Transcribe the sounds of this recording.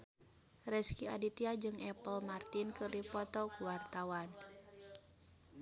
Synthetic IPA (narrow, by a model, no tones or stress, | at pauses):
rɛskiadit̪iad͡ʒɨŋʔɛpəlmart̪inkɨrdipɔt̪ɔkuwart̪awan